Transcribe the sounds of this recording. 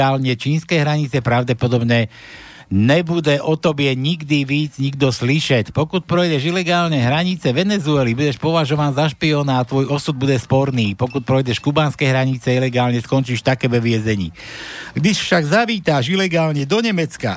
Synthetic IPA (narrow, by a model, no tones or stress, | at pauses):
aːlɲɛt͡ʃiːnskɛjɦɾaɲit͡sɛpɾaʊɟɛpɔd̪ɔbɲɛ | ɲɛbudɛʔɔt̪ɔbɪɛɲiɡd̪iʋiːd͡zɲiɡd̪ɔsliʃɛcpɔkut̪̚pɾɔjɟɛʃilɛɡaːlɲɛɦɾaɲit͡sɛʋɛnɛzuɛlibuɟɛʃpɔʋaʒɔʋaːnzaʃpiɔːnaːt̪ʋɔjɔsud̪̚buɟɛspɔɾniːpɔkut̪̚pɾɔjɟɛʃkubaːnskɛɦɾaɲit͡sɛilɛɡaːlɲɛskɔnt͡ʃiːʃt̪akɛʋɛʋɪɛzɛɲḭːɡd̪iʃfʃaɡzaʋiːt̪aʃilɛɡaːlɲɛd̪ɔɲɛmɛt͡ska̰